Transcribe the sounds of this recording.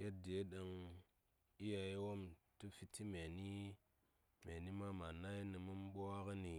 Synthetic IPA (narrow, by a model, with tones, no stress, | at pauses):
je˦t̚de˨˦ɗa˧ŋ | i˦ja˧i˦wo˦mtu˦fi˧tʰːi˦me˨ni˦ | me˨ni˦ma˦ma˨na˦ji˦ni˨mu˦m˦ɓo˦a˦ka˦ni˨